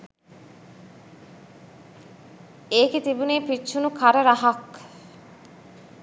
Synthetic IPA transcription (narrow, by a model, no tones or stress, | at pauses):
eːket̪ibuneːpit͡ʃːʃʰunukʰaɾɐɾaɦak